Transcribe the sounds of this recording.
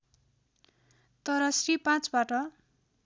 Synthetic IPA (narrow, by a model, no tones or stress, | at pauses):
t̪ʌɾʌsripãt͡sbaʈʌ